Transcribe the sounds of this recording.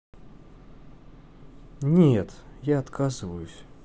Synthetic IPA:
nʲet̪jaɐt̪kʰazɨvəjʊsʲ

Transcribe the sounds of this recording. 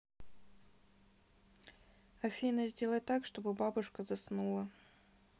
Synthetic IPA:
ɐfʲinəzʲdʲe̞lˠətʲt̪ːakʂt̪o̞bɨbabʊʂkəzɐsnulˠə

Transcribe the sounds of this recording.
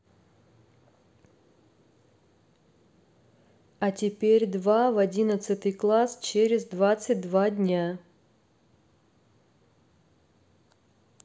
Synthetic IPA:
ɐtʲɪpʲeɾʲd̪vavɐdʲinət̪sɨt̪ɨjklˠast͡ɕeɾʲɪzd̪vat̪sɨt̚ʲd̪vadʲnʲa

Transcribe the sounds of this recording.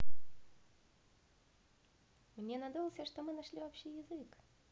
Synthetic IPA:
mnʲenad̪ulˠsʲəʂt̪omɨnaʂlʲivopɕijɪzɨk

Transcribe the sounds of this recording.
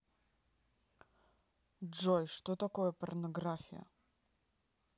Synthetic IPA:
ʐɔjʂt̪ɔt̪akɔwɛpɔɾnɔɡɾafʲjɛ̰

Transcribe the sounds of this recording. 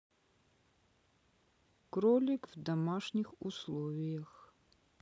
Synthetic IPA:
kɾɔlʲikvd̪ɐmaʂɲʲixuslˠɔvʲijɐx

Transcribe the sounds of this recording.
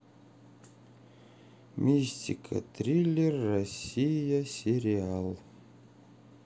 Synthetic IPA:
mʲisʲtʲikʰə̰t̪ɾʲilʲerːosʲijəsʲeɾʲialˠ

